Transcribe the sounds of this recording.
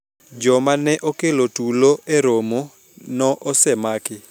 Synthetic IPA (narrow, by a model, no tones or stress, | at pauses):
d͡ʒɔmanɛʔokelotuloʔeɾomo | nɔʔɔsɛmakɪ